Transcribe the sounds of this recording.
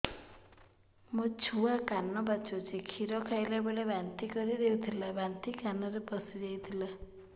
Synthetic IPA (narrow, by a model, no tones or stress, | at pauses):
mɔt͡sʰuakanːɔbat͡ʃʰot͡sʰikʰiɾɔkʰajlabelebʱant̪ikʌɾiɾewt̪ʰilabʱant̪ikanʌɾepʌsiɾejt̪ʰila